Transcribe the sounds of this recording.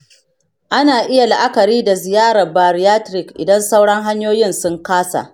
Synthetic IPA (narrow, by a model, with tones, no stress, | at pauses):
ʔa˦naː˨ʔɪ˦ja˨la˨ʔa˦kɐ˨ɾiː˦da˨zɪ˨jaː˦ɾɐ˨rbaː˨ɾi˨jaː˦tɾɪ˨kʔɪ̰˨dɐ˦nsa˦wɽɐ˦ŋɦa˦ɲjoː˦jɪ˦˨nsʊ˦ŋkaː˦sa̰˨ʔ